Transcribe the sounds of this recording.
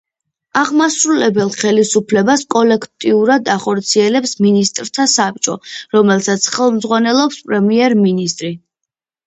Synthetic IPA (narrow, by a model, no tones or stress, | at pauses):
aʁmasɾulɛbɛlˠχɛlisupʰlɛbaskʼɔlɛkʰt̪ʼiuɾad̪aχɔɾt̪sʰiɛlɛpsminist̪ʼɾt̪ʰasap̚t͡ʃʼɔ̰ɾɔmɛlˠsat̪sʰχɛlˠmd̪zʁwanɛlˠɔpspʼɾɛmiɛɾminist̪ʼɾi